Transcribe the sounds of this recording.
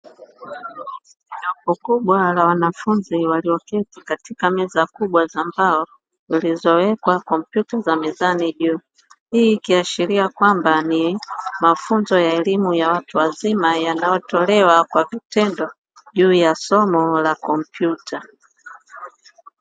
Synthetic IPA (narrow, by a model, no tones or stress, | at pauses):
ɲɔkɔkuɓwalawanafunziwaliɔkɛzikatikamɛzakuɓwazambaɔ | zilizɔwɛkwakɔmpjutazamizaniʄuː | hiːkiaʃiliakwambanimafunzɔjaɛlimujawatuwazimajanajɔtɔlɛwakwavitɛndɔ | ʄuːjasɔmɔlakɔmpjutʰa